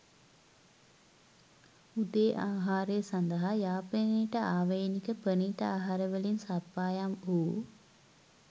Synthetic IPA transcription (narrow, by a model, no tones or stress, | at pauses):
ud̪eːʔaːɦaːɾejsand̪ɐɦajaːpəniʈəʔaːʋɐjnikəpəniːʈəaːɦaɾəʋəlinsapːaːjamuː